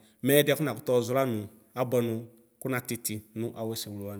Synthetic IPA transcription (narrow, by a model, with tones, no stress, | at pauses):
mɛː˨˦dɛ˦kʊ˦nã˨kʊ̥˦tɔ˦˨zʊ˨˦la˦nʊ̃˨ | a˦bɛ˨nʊ̃˨˧ | kʊ˦na˨tɪ˧ti˨nʊ̃˨˦ʔa˨we˦sɛ̃˨wʊ˨lo˨a˦ñ˨